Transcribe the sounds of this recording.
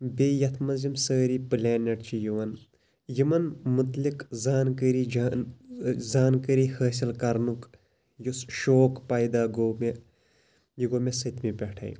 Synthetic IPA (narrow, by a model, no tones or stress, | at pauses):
beːjɐt̪ʰmɐzimsəːɾiːpɨlʲeːnɐʈt͡ʃʰijuʋɐn | jimɐnmut̪likzaːnkəɾi | zaːnkəɾihəːsilkɐɾnuk | jusʃoːkpaːjd̪aːɡoːme | jiɡoːmesɐt̪mipʲɛʈʰa̰ːjḭ̃